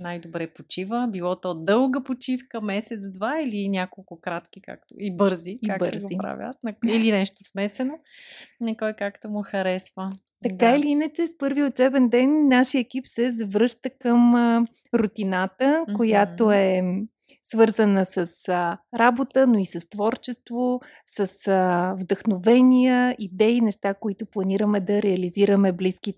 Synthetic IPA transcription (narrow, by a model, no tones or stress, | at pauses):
najd̪obɾɛpot͡ʃivəbilˠɔt̪ɔd̪ɤlˠɡəpot͡ʃifkəmɛsɛt̪sd̪vailinʲakolˠkʊkɾat̪k̟ika̰k̚t̪o̰ibɤɾziabə̰ɾzoipɾa̰vʲḭa̰snɐilinɛʃt̪osmɛsɛno | nɛkɔjkakt̪omʊxɐɾɛsvə | t̪ɐkailiinət͡ʃɛspɤɾviot͡ʃɛbɛnd̪ɛnːaʃijəɛkipsɛzɐvɾɤʃt̪əkəm | ɾʊt̪inat̪əkkojat̪oɛ | svɤɾzənəsəsɾabot̪ənoisəst̪vɔɾt͡ʃɛst̪vo | səsəvd̪əxnovɛnijəid̪ɛinɛʃt̪akoit̪ʊplˠɐniɾəmɛd̪ɐɾɛɐliziɾəmɛbliskit̪